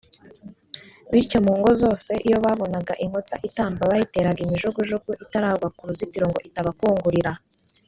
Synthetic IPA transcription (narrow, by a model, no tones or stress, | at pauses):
βiɾco̞muːŋɡozo̞ːse̞ʔijo̞βaːβo̞naɡaʔiŋ̥hot͡sa̰ʔitaːmbaβajite̞ːɾaɡimiʒuɡuʒuɡuʔitaɾaːɡwakuɾuzitiɾo̞ŋɡo̞̰ʔitaβakuːŋɡuɾiɾa